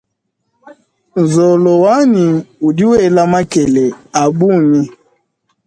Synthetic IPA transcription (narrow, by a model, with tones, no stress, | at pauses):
n˨zɔ˨lɔ˨wa˦ni˨u˨di˦wɛ˦˨la˦ma˦kɛ˨lɛ˨a˨bu˦˨ni˦